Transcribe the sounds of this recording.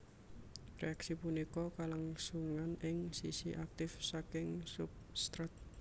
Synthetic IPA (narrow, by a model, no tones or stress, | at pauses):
rḛaksipunikɔkalaŋsuŋanɪŋsisiʔak̚t̪ɪfsakɪŋsup̚st̪ɾət̪̚